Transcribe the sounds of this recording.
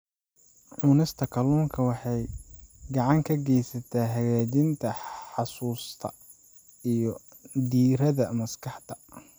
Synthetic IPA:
ʕʊːnɪst̪ʰɐkʰɐluːŋkʰɐwɑħɑjɡɑʕɑŋkʰɐɡɛjsɐt̪ʰaːɦɐɣaːd͡ʒɪnt̪ʰɐħɑsuːst̪ʰɐ̰ | ijɞ | d̪iːɾɐðɐmɐskʰɑħt̪ʰɐ̥

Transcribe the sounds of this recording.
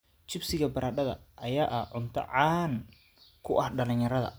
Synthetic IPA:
t͡ʃɪbsɪɣɐbɐɾʔaːɗɐðɐ̰ʔɐjaːʔɐhʕʊnt̪ʰɐ̰ʕaːn | kʰʊʔɐhɗɐlɪɲjɐɾɐðɐ̰

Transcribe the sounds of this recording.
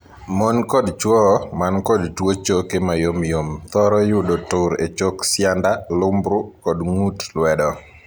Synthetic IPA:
monkɔdt͡ʃwɔmankɔdtwot͡ʃokemajomjomt̪ɔɾɔjʊdotʊɾḛt͡ʃoksjandalʊmbɾʊkɔdŋutlwɛdɔ

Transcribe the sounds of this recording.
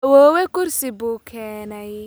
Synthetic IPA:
wɔːwɛkʊrsɪbuːkʰɛːnɛj

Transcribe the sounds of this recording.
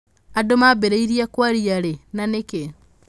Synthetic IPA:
adomabeɾeiɾiakwaɾiaɾenaneke

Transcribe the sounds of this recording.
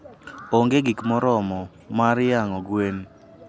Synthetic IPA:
oŋɡeɡikmɔɾɔmɔ | maɾjaŋɔɡwen

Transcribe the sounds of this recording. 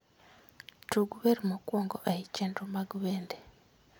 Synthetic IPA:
tuɡuβeɾimukoːŋɡoʔaicentumaɡuβeːnde

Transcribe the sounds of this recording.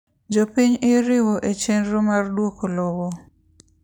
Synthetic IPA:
d͡ʒopiɲɪɾɪwɔʔet͡ʃenɾomardwokolɔwɔ

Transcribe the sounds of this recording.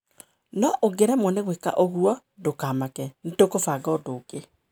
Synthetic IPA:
nɔʔoɡeɾɛmɔneɣweka̰ʔoɣuɔ | dokaːmakɛnitokofaːɡɔodoːke

